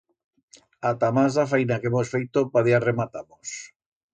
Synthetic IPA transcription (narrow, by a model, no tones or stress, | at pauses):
at̪amazðafajnakemosfejt̪opaðiaremat̪amos